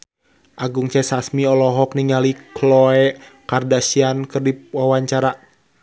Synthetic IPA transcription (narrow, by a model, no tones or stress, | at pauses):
ʔaɡuŋt͡ʃɛsasmiɔlɔɦɔkniŋaliklɔɛkardasiankɨrdiwawaɲt͡ʃaɾa